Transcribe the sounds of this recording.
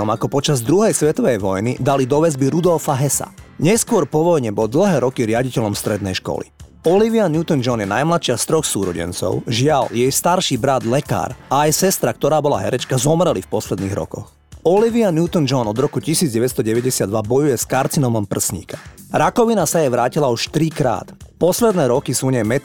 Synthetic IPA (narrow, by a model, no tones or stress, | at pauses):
ɔmakɔpɔt͡ʃazd̪ɾuɦɛjsʋɛt̪ɔʋɛjʋɔjnid̪alid̪ɔʋɛzbiɾud̪ɔlfaɦɛsa̰ɲɛskʊɔɾpɔʋɔjɲɛbɔd̪l̩ɦɛːɾɔkiɾɪaɟicɛʎɔmst̪ɾɛd̪nɛjʃkɔ̰lḭ | ɔliʋianjut̪ɔnd͡ʒɔnjɛna̰jmlat̪ʃɪast̪ɾɔxsuːɾɔɟɛ̰nt͡sɔ̰ʊʒɪaljɛjst̪aɾʃiːbɾad̪lɛka̰ːɾaːjsɛst̪ɾak̚t̪ɔɾaːbɔla̰ɦɛɾɛt͡ʃkazɔmɾɛlifpɔslɛd̪niːɣɾɔ̰kɔ̰x | ɔliʋianjuːt̪ɔnd͡ʒɔnɔd̪ɾɔkucisiːdd͡zɟɛʋɛst̪ɔɟɛʋɛɟɛsɪad̪ʋabɔjujɛskaɾt͡sinɔmɔmpr̩sɲḭːkḁɾakɔʋinasajɛʋɾaːcilauʃt̪ɾikɾa̰ːt̪pɔslɛd̪nɛːɾɔkisuɲɛmɛt̪